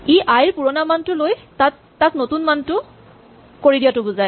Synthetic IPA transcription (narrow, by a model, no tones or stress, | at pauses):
iʔajɹpuɹɔnamantʊlojtatːaknotunmantʊ | koɹidijatʊbʊzaj